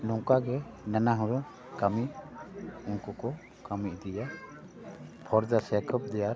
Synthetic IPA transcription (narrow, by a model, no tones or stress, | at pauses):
nɔŋkaɡɛnanaɦɔɾɔ | kami | unkɔkɔ | kamiːd̪ija | pʰɔɾd͡ʒasɛkʰɔp̚d̪ɛjaɾ